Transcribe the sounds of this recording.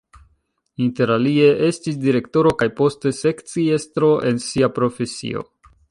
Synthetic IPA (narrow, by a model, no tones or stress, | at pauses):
inte̞ɾalie̞ʔe̞stisdiɾe̞kto̞ɾo̞kajpo̞ste̞se̞kt͡sie̞stɾo̞ʔe̞nsiapɾo̞fe̞sḭo̞̰